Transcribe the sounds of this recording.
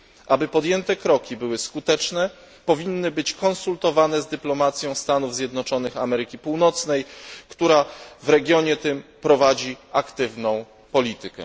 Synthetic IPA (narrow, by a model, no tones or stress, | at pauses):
ʔabɘpɔd̪jɛnt̪ɛkɾɔkʲibɘwɘskut̪ɛt͡ʂnɛ | pɔvʲinːɘbɘt͡ɕkɔnsult̪ɔvanɛzd̪ɘplɔmat̪sʲjɔ̃w̃st̪anuvzʲjɛd̪nɔt͡ʂɔn̪ɘxamɛɾɘkʲipuwnɔt̪snɛjkt̪uɾavɾɛɡʲjɔɲɛt̪ɘmpɾɔvad͡ʑiakt̪ɘvnɔ̃w̃ | pɔlʲit̪ɘkɛ̰